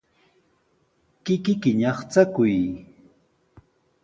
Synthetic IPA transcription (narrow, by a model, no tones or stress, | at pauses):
kɪkɪkɪɲɑχt͡sakʊj